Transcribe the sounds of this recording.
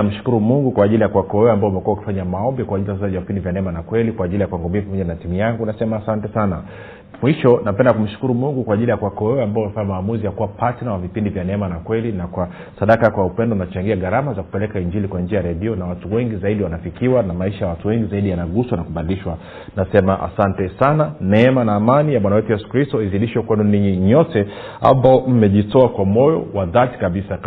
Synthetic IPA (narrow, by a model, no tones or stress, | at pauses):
m̩ʃu̥kuɾumuŋɡukwaːʄilijakuwakɔɛɔambaɔumɛkuwauki̥faɲamaɔmbikwaːʄiliasasaʄavipindivjanɛmanakwɛlikwaːʄilijakwaŋɡɔmbiapamɔʄanatimujaŋɡunasɛmaːsantɛsana | mwiʃɔnapɛndakum̩ʃu̥kuɾumuŋɡukwaːʄilijakuwakɔɛɔambaɔumɛfaɲamaːmuzijakuwapatnawavipindivjanɛmanakwɛlinakwa | saɗakakwaupɛndɔunat͡ʃaŋɡiaɡaɾamazaku̥pɛlɛkaiɲd͡ʒilikwand͡ʒiajaɾɛɗiɔnawatuwɛŋɡizaiɗiwanafikiwanamaiʃajawatuwɛŋɡizaiɗijanaɡuswanakuɓadiliʃwa | nasɛmaʔa̰santɛsananɛɛmanaːmanijamwanawɛtujɛsu̥kɾistɔiziɗiʃɛkwɛndɔniɲiɲɔtɛ | a̰mbaɔm̩mɛʄitɔakwamɔjɔ̰waðati̥kaɓisa